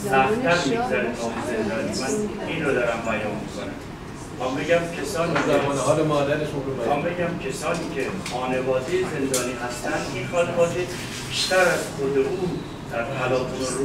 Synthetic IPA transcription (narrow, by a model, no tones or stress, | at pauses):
sæfʰæɾmiɡzæɾeɒzend̪ɒːnimæniːnɾod̪ɒːɾæmbæjɒːmmiːkʰonæ̰m | exɒːmbe̞ɟæmcʲʰe̞sɒːniːæɒːneɦɒːlemɒːd̪æɾeʃoexɒmbe̞ɟæmcʰe̞sɒːniːcʰexɒːne̞vɒːd̪ejeze̞nd̪ɒːniːɦæst̪ænd̪ʔinxɒːne̞vɒːd̪e | b̥iʃt̪æɾæz̥xod̪eʔuːn | d̪̥æɾpʰælɒːt̪ʰuno